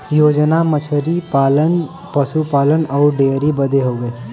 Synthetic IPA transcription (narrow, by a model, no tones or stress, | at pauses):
joːd͡ʒnamət͡ʃʰəɾipaːlən | pəsupaːlənɔːɾɖeːɾibəd̪eɦoːɡəe